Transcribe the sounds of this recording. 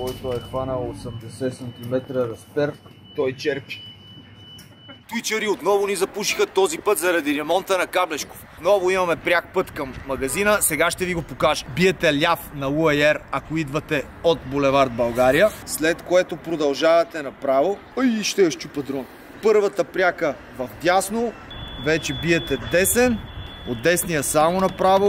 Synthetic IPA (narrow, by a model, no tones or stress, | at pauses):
ɔjt̪oɛxvanəlˠosɛmd̪ɛsɛsɐnt̪imɛt̪ɾəɾɐsp̪ɛɾ | t̪ɔjt͡ʃɛɾpi̥ | t̪it͡ʃəɾiot̪nɔvʊnizɐpuʃixɐt̪ɔzipɤt̪zɐɾɐd̪iɾɛmɔnt̪ənɐkablɛt͡ʃko̥fnɔvoimɐmɛpɾʲak̚pɤt̪kɐmːɐɡɐzinəsɛɡaʃt̪ɛviɡopokaʒə̥biɛt̪ɛlʲafnɐuɐɛɾɐkoid̪vɐt̪ɛ | ot̪bolɛvaɾd̪̚bɐlˠɡaɾijəslɛt̪koɛt̪opɾod̪ɐlˠʒavɐt̪ɛnɐpɾavo | ɐiʃt̪ɛjɐʃt͡ʃupɐd̪ɾon | pɤɾvɐt̪əpɾʲakə | vɐfd̪ʲjasnovɛt͡ʃɛbiɛt̪ɛd̪ɛsɛn | od̪ɛsnijəsamonɐpɾavo